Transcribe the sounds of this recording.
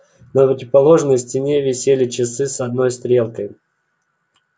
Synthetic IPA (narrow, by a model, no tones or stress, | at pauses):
nəpɾətʲɪvpɐlˠo̞ʐnəjsʲtʲɪnʲe̞vʲɪsʲelʲɪt͡ɕɪsɨsɐd̪no̞jst̪ɾʲe̞lˠkəj